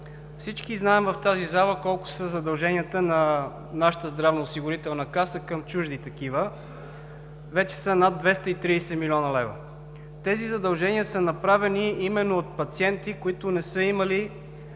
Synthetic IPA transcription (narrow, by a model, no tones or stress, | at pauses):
fsit͡ʃkiznaɛmvɐft̪azizalˠəkɔlˠkʊ̥səzɐd̪ɐlˠʒɛniət̪ənɐ | naʃə̥t̪əzd̪ɾavnoːsiɡʊɾit̪ɛlˠnəkasəkəmt͡ʃuʒd̪it̪ɐk̟ivə | vɛt͡ʃɛ̥sənad̪ːvɛst̪əit̪ɾiːsɛmilʲiɔnəlɛvə̰ | t̪ɛzizɐd̪ɐlˠʒɛniəsənɐpɾavɛniimɛnːoot̪̚pɐt̪siɛnt̪ikoit̪ʊnɛsɤiməli